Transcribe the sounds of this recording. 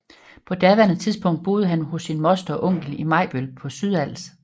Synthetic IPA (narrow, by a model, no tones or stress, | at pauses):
pʰɒ̽d̥æɐʋæɐnət͡sʰiðˠsb̥ɔ̽ŋ̰d̥̚b̥o̝ːð̞̩ˠəɦænhɔ̽sːinmɒ̽sd̥ɐɒʔɔ̽ŋ̰ɡ̥l̩imɑ̈ɪb̥ølpʰɒ̽syðˠæl̰s